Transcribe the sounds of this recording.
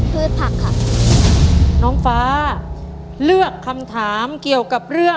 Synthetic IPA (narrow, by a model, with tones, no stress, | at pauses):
pʰɯː˥˩t̪̚pʰa˦˥˩kʰːa˧˥˩ | nɔː˦˥ŋfaː˦˥˦ | lɯ˥˩əkʰːa˧mt̪ʰaː˩˦mki˨˩əwka˨˩p̚ɾɯ˥˩ə